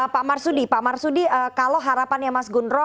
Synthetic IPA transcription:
pamarsudipamarsudiəkalowɦaɾapanjamasɡunɾɔ

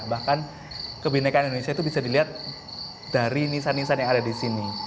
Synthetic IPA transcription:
bahkan | kəbinakanindonesiait̪ubisadiliɦat̪̚ | d̥aɾinisanːisanjaŋadadisini

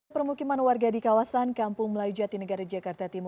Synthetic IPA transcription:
pərmukimanwarɡadikawasankampʊŋməlaud͡ʒat̪̚dinəɡaɾad͡ʒakart̪at̪im

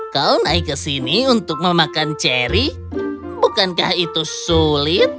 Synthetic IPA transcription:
kaunaikəsiniunt̪ʊk̚məmakant͡ʃeɾi | bukankahit̪usulɪt̪̚

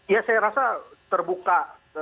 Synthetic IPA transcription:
jasajaɾasat̪ərbuka

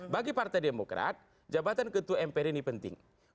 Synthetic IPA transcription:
baɡipart̪ajdemokɾa̰t̪̚ | d͡ʒabat̪ankət̪uɛmpɛɾinipənt̪ɪ̰ŋ

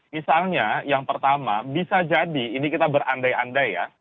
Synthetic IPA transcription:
misalɲajaŋpərt̪ama̰bisad͡ʒadiːnikit̪abəɾandajandajjːa̰

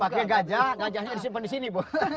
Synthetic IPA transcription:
akɛɡad͡ʒaɡad͡ʒaɲɛɾis̬ipəndis̬inibɔ

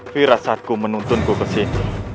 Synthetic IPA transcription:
fiɾasat̪̚kumənunt̪ʊnkokəsɪn

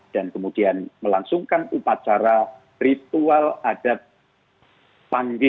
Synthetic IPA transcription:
d̥ankəmud̥ianməlaŋsʊŋkanupat͡ʃaɾa | rit̪ualad̥ap̚ | paŋɡɪ

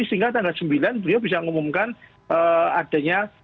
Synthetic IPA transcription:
isiŋɡat̪̬aŋɡalsəmbilanbəliabisaŋumumkan | əad̥a̤ɲa

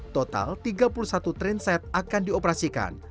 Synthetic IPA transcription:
t̪ot̪a̰lt̪iɡapuluhsat̪ut̪ɾɪnsɛt̪̚akandiopɾasika̰n

